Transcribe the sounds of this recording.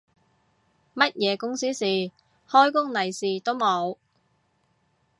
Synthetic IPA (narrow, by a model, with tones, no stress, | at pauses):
mɐ˥t̚jɛː˨˧kʊ˥ŋsiː˥siː˨ | hɔː˥jkʊ˥ŋnɐ˨˩jsiː˨t̪o˥wmo˨˧w